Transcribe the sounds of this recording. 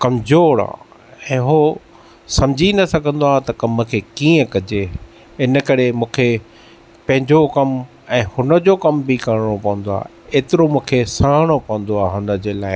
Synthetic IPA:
kɐmzoːɽã̰ː | ɛ̃ːɦoː | sɐmd͡ʑʱinɐsɐɡʱə̃nd̪oaːt̪ɐkɐməkʰeːkiːə̃kɐd͡ʑe | ɪnəkɐɾemũːkʰe | pɐ̃ɦɪ̃ɲd͡ʑokɐm | ɛ̃ːhʊnə̆d͡ʑokɐmbʱikɐɾɽ̃opɐʋə̃n̆d̪oa̰ː | eːt̪ɪɾomũːkʰesaːɽ̃opɐʋə̃nd̪oaːɦʊnə̆d͡ʑeːlaːɪ

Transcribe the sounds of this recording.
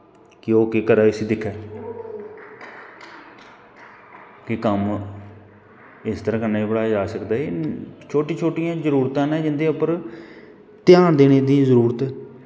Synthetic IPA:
kɪoːkeːkəɾaːsiːd̪ɪkʰɛː | kɪkəm | ɪst̪əɾãːkənːaːiːbəɽaːd͡ʒaːsəkd̪aːet͡ʃʰoːʈĩːt͡ʃʰoːʈijãːzəɾuːɾt̪ãːnɛ̃ːd͡ʒɪnd̪eːəpəɾ | t̪jaːɳd̪eːneːd̪iːzəɾuːɾət̪ɛː

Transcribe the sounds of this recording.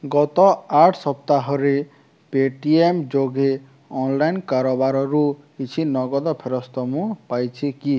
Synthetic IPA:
ɡɔt̪ɔaʈʰsɔp̚t̪aɦɔɾe | peʈiemd͡ʒoɡʱe | ɔnlajnkaɾobaɾɔɾukit͡ʃʰinɔɡɔd̪ɔpʰeɾɔst̪ɔmũpajt͡ʃʰiki

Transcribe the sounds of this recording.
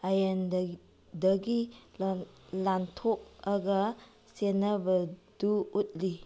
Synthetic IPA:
ajan | dəɡi | lantʰɔk̚aɡa | senabəduut̚li

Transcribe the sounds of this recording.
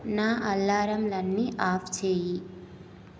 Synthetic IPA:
naːʔɐlːaːɾɐmlɐnːiʔaːft͡ʃeːji

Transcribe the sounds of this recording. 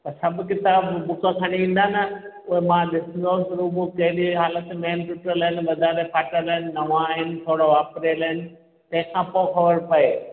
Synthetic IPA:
t̪ɐsɐbʱkɪt̪aːbbʊkõk̪ʰɐɽ̃iĩːn̆d̪anɐ | ʊɦemãɗɪsə̃nd̪osɾubokɐɦɪɗiɦaːlət̪meːnt̪ʊʈələɦɪnɪ̆ʋɐd̪ʱaːɾepʰaːʈəɾləɦɪnɪ̆nɐʋãɦɪnɪ̆t̪ʰoːɽoʋaːpɾelɦɪnɪ̆ | t̪ɐ̃ɦɪ̃kʰãpõxɐʋəɾpɐeː

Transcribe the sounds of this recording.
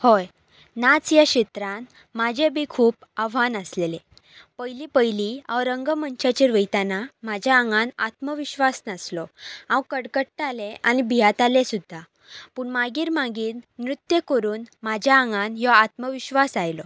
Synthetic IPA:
hɔj | nat͡sjaɕet̪ɾãn | mad͡ʑʱebʱikʰuːpaʋanəslele | pəjlipəjliawɾəŋɡəmənt͡ɕat͡ɕeɾʋəjt̪anamad͡ʑʱjaəŋɡãna̰t̪məʋiɕʋasnaslɔãwkəɽkəʈʈaleʔanibʱijat̪alesud̪ʱːa | puːɳmaɡiːɾmãɡiːlnɾut̪jəkəɾuːnmad͡ʑʱjaəŋɡanjɔat̪məʋiɕʋasajlɔ

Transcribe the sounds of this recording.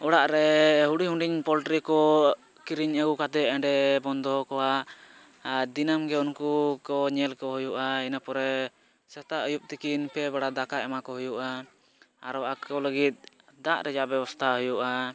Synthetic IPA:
ɔɽaʔɾɛɦuɽiɦũɳɖiɲpɔlʈɾikɔ | kiɾiɲəɡukat̪ɛɛɳɖɛbɔnd̪ɔɦɔkɔwaʔ | d̪inamɡɛunkukɔɲɛlkɔɦujuʔainapɔɾɛ | sɛt̪aʔəjup̚t̪ikinpɛbaɽad̪akaɛmakɔɦujuʔaː | ɾɔakʰɔləɡit̪̚ˀ | d̪aʔɾɛd͡ʒaʔbɛbɔst̪ʰaɦujuʔa

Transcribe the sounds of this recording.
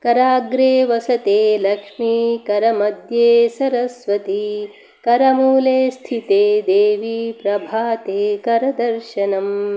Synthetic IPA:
kɐɾaːɡɾeːʋɐsɐt̪eːlɐkʂmikɐɾɐmɐd̪jeːsɐɾɐsʋɐt̪i | kɐɾɐmuːleːst̪ʰit̪eːd̪eːʋipɾɐbʱaːt̪eːkɐɾɐd̪ɐɾʃɐnɐm

